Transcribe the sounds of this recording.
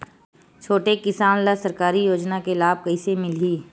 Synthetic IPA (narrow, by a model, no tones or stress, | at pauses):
t͡ʃʰoːʈekɪsaːnlasɐɾkaːɾijoːd͡ʒnakelaːb̚kɐisemɪliː